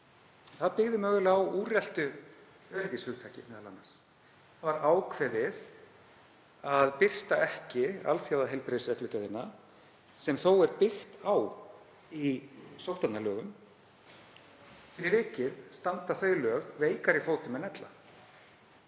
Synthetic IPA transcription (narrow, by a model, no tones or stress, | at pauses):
θaðpɪɣðɪmœːɣʏlawuːrjɛl̥t̪ʏ | œɾɪvɪshʏxt̪ʰaːcɪ̰mɛːðala̰nːas | avaɾaːwkʰvɛðɪð | aðpɪr̥t̪aɛhcɪa̰lθjawðaɦejlpɾesvɛk̪lʏt̪ɛðɪnːa | sɛmθowɛɾpɪxt̪aw | isowht̪at̪nalœːɣʏm | fɪɾɪvɪːcɪðst̪ant̪aθœɥjlœːɣveːjkaɾifoːwt̪ʏmɛðnɛt̪la̰